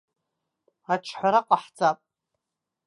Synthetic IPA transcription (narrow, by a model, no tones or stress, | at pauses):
aʈ͡ʂʰħʷaɾaqʼaħd͡zʼapʼ